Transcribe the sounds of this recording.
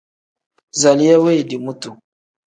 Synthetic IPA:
za˨li˦ja˦we˦˨di˨mu˦tu˨

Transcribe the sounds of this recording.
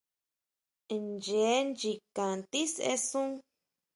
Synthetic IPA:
nd͡ʒe˨˦nd͡ʒi˧kã˨nt̪i˦sḛ˧˦sũ˦

